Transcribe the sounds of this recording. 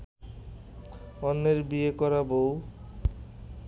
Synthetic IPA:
ɔnːeɾbiekɔɾabow

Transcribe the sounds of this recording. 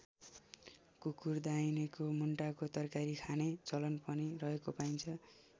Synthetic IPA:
kukurd̪ainekomuɳʈakot̪ʌrkaɾikʰanet͡sʌlʌnpʌnirʌɦekopajnt͡sʰʌ

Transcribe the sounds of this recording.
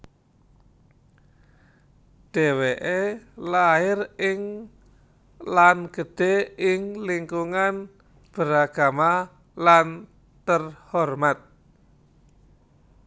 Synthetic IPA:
d̪̥eweʔelaɪrɪŋ | lanɡ̥ə̤d̥e̤ɪŋliŋkuŋan | b̥əɾaɡ̥a̤ma | lan | t̪ərhɔrmat̪̚

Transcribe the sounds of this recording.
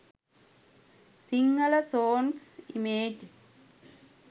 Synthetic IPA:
siŋɡələsoːnsimeːd͡ʒ

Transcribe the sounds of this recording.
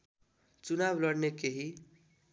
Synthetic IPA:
t͡sunablʌɽnekeɦi

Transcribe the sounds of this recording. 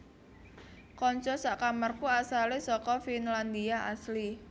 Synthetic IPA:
kɔɲt͡ʃɔsaʔkamarkuasalesɔkɔfinland̪iaʔasli

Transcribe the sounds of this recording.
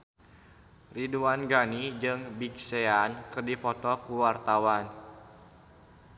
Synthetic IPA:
riduanɡanid͡ʒɨŋbikseankɨrdipɔt̪ɔkuwart̪awan

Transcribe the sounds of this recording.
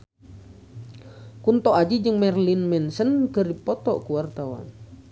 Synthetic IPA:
kunt̪ɔad͡ʒid͡ʒɨŋmɛrlinmɛnsənkəripɔt̪ɔʔkuart̪awa̰n

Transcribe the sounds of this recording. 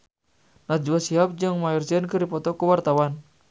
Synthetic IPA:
nad͡ʒuwasiɦap̚d͡ʒɨŋmajɔrsiənkɨrdipɔt̪ɔkuwart̪awan

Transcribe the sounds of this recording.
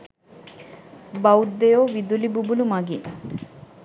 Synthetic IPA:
bɐwd̪ːejoʋid̪ulibubulumaɡi

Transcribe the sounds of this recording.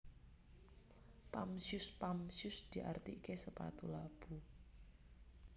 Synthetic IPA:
pamsjʊspamsjʊsd̪̥iʔart̪ikesəpa̰t̪ulab̥u

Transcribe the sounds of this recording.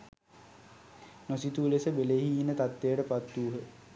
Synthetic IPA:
nosit̪uːlesəbeleɦiːnːət̪at̪ːejəʈəpat̪ːuːɦə

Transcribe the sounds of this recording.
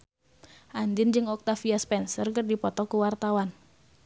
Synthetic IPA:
ʔandɪnd͡ʒɨŋɔk̚t̪afiaspɛnsərkərdipɔt̪ɔkuwart̪awan

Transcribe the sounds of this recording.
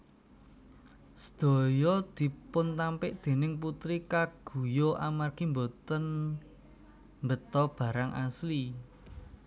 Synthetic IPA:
sə̥d̪̥o̤jɔd̪̥i̤pʊnt̪ampɪʔd̪̥e̤nɪŋp̬ut̪ɾikaɡ̥ṳjoʔamarkimbot̪ən | mbət̪ɔb̥ä̤ɾaŋʔa̰sli

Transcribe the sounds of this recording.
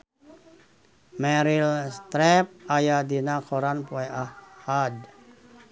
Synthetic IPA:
mɛɾilst̪ɾɛp̚ajadinakoɾanpuɛahːad

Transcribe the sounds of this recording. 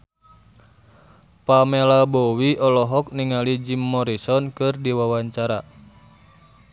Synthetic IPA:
pamɛlabɔwiɔlɔɦɔk̚niŋalid͡ʒimːɔɾisɔnkɨrdiwawaɲt͡ʃaɾa

